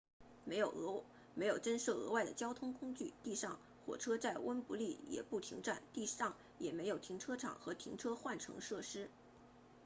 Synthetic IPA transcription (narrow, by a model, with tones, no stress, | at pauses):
me˧˥ɪjo˨˩ʊɤ˧˥ | me˧˥ɪjo˨˩ʊʈ͡ʂə˥nʂɤ˥˩ɤ̰˧˥wa˥˩ɪd̪ə˩t͡ɕjɑ˥ʊt̪ʰʊ˥ŋkʰʊ˥ŋt͡ɕy˥˩t̪i˥˧ʂɑ˥˩ŋ | xwɔ̰˨˩ʈ͡ʂʰɤ˥t͡sa˥˩ɪwə˥npu˧˥li˥˩jɛ̰˨˩pu˥˩t̪ʰi˧˥ŋʈ͡ʂa˥˩nt̪i˥˧ɑ˥˩ŋ | jɛ˨˩me˧˥ɪjo˨˩ʊt̪ʰi˧˥ŋʈ͡ʂʰɤ˥ʈ͡ʂʰɑ̰˨˩ŋxɤ˧˥t̪ʰḭ˧˥ŋʈ͡ʂʰɤ˥xwa˥˩nʈ͡ʂʰɤ̰˧˥ŋʂɤ˥˩ʂɻ̩˥